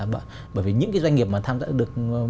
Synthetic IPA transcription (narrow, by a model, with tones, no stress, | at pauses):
ɓa̰ː˧˨ | ɓəː˧˩jvi˨˩ɲɨ̰˧˥ŋkaː˨˦zwa˧jŋ̟ŋi˨˩əp̚maː˨˩t̪ʰaː˧mza̰ː˧˥ɗɨ˨˩ək̚